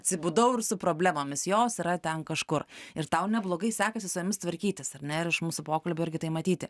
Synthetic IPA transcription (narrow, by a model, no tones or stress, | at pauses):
ɐt̪ʲsʲɪbʊd̪ɐʊɪrsʊpɾoːbʲlʲæmoːmʲɪsjoːsiɾɐt̪ʲɛnkɐʃkʊrɪɾt̪ɐʊnʲɛblˠoːɡɐɪsʲæːkɐsʲɪsʊjʊmʲɪst̪ʋɐɾʲkʲiːt̪ʲɪsɐɾʲnʲɛɪɾɪʃmuːsʊpoːkɐlʲbʲʊɪɾʲɡʲɪt̪ɐɪmɐt̪ʲiːt̪ʲɪ